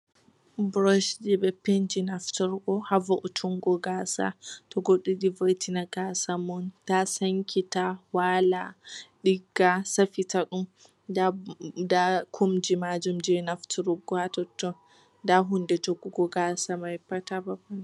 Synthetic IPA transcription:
bɾɔʃd͡ʒibɛpend͡ʒinaftuɾɡɔhavɔʔɔtʰuŋɡɔɡasa̰tɔɡoɗːiɗivojtʰinaɡasamɔntasaŋkʰitawalaɗiɡːasafitaɗum | dadakʰumd͡ʒimad͡ʒumd͡ʒinaftʰuɾuɡɔhatɔtːɔ | daɦundɛd͡ʒoɡuɡɔɡasamajpːatababɔna

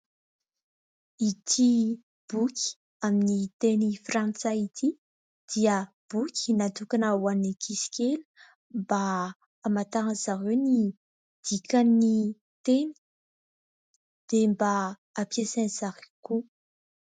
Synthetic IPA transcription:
it̪ʰi | b̥ukʰʲi̥ | aminit̪enifrant͡sait̪ʰi | d̪̥iə | b̥ukʲʰi̥nat̪ukanawannikʰisi̥kʲelə̥ | mbaː | mat̪aŋəzaɦewni | d̪̥ikanːi | t̪eni̥ | d̪̥embaː | pjesaniz̥akiku

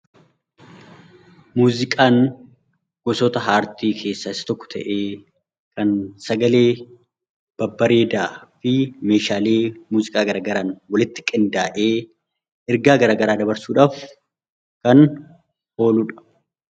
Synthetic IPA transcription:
muːzɪkʼaːn | ɡ̥ɔsɔt̪ɐɦaːɾt̪iːkʰe̞ːsːɐɪsɐ̥t̪ɔkːɔ̥t̪ʰɐ̰ʔeː | kɐnsɐɡɐle̞ː | b̥ɐbːɐɾe̞ːd̪aːfɪme̞ːʃaːleːmuːzɪkʼaːɡɐɾaːɡɐɾaːnwɐlɪt̪ːɪ̥kʼɪnd̪aːʔe̞ː | ʔɪɾɡaːɡɐɾaːɡɐɾaːd̪ɐbɐɾsuːᶑaːf | kɐn | o̞ːluᶑɐ̥

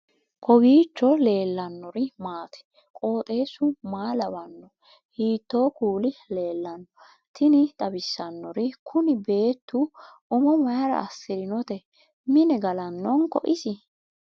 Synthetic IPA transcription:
kʰʼɔbiːt͡ʃːɔle̞ːlːɐnːɔɾɪmaːt̪ʰɛ̥ | kʼo̞ːt̪ʼe̞ːsʊmaːlɐbɐnːɔ | hiːt̪ːo̞ːkuːlɪle̞ːlːɐnːɔ | t̪ɪnɪt̪ʼɐbɪsːɐnːɔɾɪkʰʊnɪbe̞ːt̪ːuʔʊmɔmɐjɐɾɐ̰ʔɐsːɪɾɪnɔt̪ɛ | mɪnɛɡɐlɐnːɔnkɔ̰ʔɪsɪ

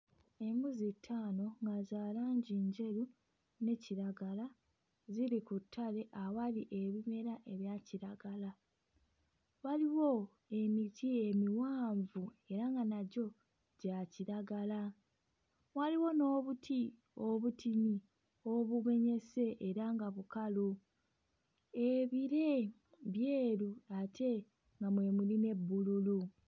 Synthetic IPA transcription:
e̞muzitʰːaːno̞ŋɡazaːlaːɲɟiːɲɟe̞ɾu | ne̞ciɾaɡala | ziɾikutʰːale̞ʔawaliʔe̞βime̞ɾaʔe̞βjaciɾaɡala | waliwo̞ | e̞mitie̞miwaːɱvue̞ɾaŋɡanaɟo̞ | ɟaciɾaɡala | waliwo̞no̞ːβutʰi | o̞βutiɲi | o̞βuβe̞ɲe̞se̞ʔːɾaŋɡaβukalu | e̞βiɾe̞ | βje̞ːɾuatʰe̞ | ŋɡamwe̞muline̞bːululu

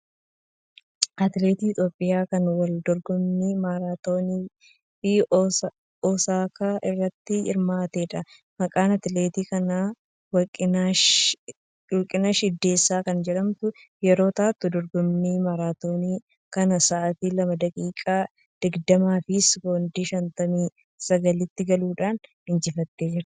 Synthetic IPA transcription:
ʔɐt̪ɪleːt̪iːɪt̪ʼjoːpʼːɪjaːkɐnwɐld̪ɔɾɡɔmniːmaɾaːt̪oːniː | fɪ | ɔːsaːkʰaːʔɪrːɐt̪ːɪɪ̰ɾmaːt̪eːᶑɐ | mɐkʼaːnɐt̪leːt̪iːkɐnaː | wɐkʼɪ | wɔlkʼːɪnaʃɪd̪ːe̞ːsːaːkɐnd͡ʒɛᶑɐmt̪ʊjɛɾo̞ːt̪aːt̪ːʊd̪ɔɾɡʊmniːmɐɾaːt̪o̞ːniː | kɐnɐsɐʔɐt̪ilɐmɐd̪ɐkʼiːkʼaː | d̪̥ɪɡd̪ɐmaːfɪsboːnd̪iːʃɐnt̪ɐmiː | sɐɡɐlɪt̪ːɪɡɐluːᶑaːnhɪnd͡ʒɪfɐt̪ːe̞ːd͡ʒɪɾɐ̥

